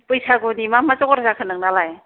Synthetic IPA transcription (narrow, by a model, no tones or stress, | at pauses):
pɯjsaɡodimamat͡ʃɔkɔɾazakʰɯnɯŋ̚nalaj